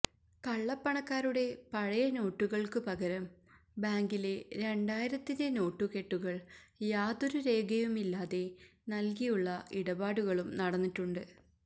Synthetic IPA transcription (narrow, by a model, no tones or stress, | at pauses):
kɐɭːɐpːɐɳɐkːaːɾuɽe̞pɐɻɐjɐno̞ːʈːuɣɐɭkɨpɐɣɐɾɐm | baːŋɡile̞ɾe̞ɳɖaːjiɾɐt̪ːinde̞no̞ːʈːuke̞ʈːuɣɐɭjaːd̪oɾuɾe̞ːɡʱɐjumilːaːðe̞nɐlk̬ijuɭːɐiɽɐbaːɽuɣɐɭumnɐɽɐnːiʈːuɳɖɨ